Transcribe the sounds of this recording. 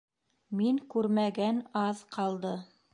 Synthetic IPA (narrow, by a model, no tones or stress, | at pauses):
miŋkʉɾmæɡænɑðqʰɑlˠd̪ɤ